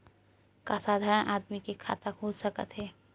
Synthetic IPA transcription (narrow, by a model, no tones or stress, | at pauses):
kasaːd̪ʱaːɾənʔaːd̪mikekʰa̰ːt̪akʰod͡ʒsəkə̰t̪ɦɛː